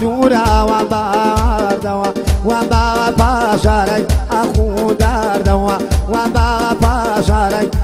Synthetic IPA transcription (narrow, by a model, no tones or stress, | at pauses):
uɾawabaaɾd̪awawambaɣapaʂʷaɾajakudaɾd̪awawambaɣapaʃʷaɾaj